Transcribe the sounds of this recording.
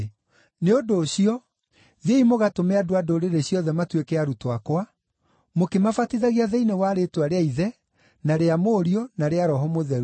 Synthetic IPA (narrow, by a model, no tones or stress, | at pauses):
neodoːɕiɔ | ðeimoɣatomeadoadoɾeɾeɕiɔðɛmatwekɛaɾutoakwa | mokemafatiðaɣiaðɛinewaɾetwaɾeaiðɛ | naɾeamoːɾiɔnaɾeaɾɔɦɔmoðɛɾ